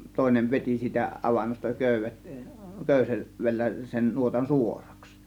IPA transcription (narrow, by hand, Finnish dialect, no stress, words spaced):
toˑe̝neʋ ʋetʲi siːtæ ɑʋɑnːostɑ køˑyʋˑet køˑyse ʋelːæ sen nuotɑn suorɑks